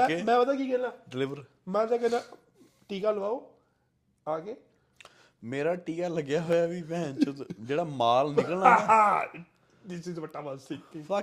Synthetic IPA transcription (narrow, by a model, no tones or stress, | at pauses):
ɛ̃mɛ̃ːʋəd̪aːkiːkeːlaːɖɪlɪʋəɾ | mɛ̃ːd͡ʒakena | ʈiːkaːləʋaːoː | aːkeː | meːɾaːʈiːkaːləɡjaːɦoːjaːʋiːmɛ̃ːt͡ʃəd͡ʒeːɽaːmaːlnɪkkəlnaaː | d̪ɪsɪzʋəʈːaːʋəst̪ikt̪iːfa